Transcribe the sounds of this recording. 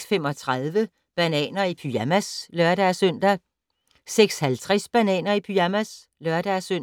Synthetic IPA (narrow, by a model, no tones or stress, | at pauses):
sfem̰ɒ̽t͡sʰʁaðˠʋə | b̥ænɛ̰ːnɐipʰyæmæslœɐɾ̥æsœn̰d̥æ | seɡ̥shælt͡sʰʁɛsb̥ænɛ̰ːnɐipʰyæmæs | lœɐd̥æsøn̰